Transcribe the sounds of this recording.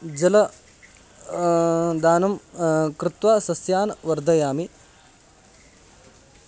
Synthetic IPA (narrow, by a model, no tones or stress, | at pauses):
d͡ʒɐlɐ | d̪aːnɐmkɾɪt̪ʋaːsɐsjaːnɐʋɐɾd̪ʱɐjaːmi